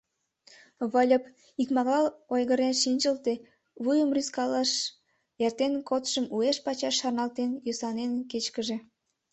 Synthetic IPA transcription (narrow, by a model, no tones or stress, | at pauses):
βəlʲəp | ikmɑɣɑlojɣəɾenʃinʲt͡ɕəlt̪e | βujəmryskɑlɑʃ | ert̪enkot̪ʃəmueʃpɑt͡ɕɑʃːɑrnɑlt̪enjøsɑnenket͡ɕkəʒe